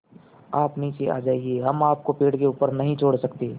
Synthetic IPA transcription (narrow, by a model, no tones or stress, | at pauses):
aːpnɦĩsea̰ːd͡ʒaːeɡieɦɐmaːp̚kopeːɽkeuːpəɾnɐɦĩt͡ʃʰoːɽsɐkt̪eː